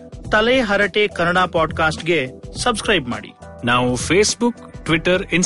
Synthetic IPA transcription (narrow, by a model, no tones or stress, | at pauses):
t̪ɐleɦɐɾəʈekɐnəɽapɔːɖkaːsʈɡesɐbskɾaːjbma̰ːɽḭː | naːwfʰeːsbʊk | ʈʋɪʈəɾɪn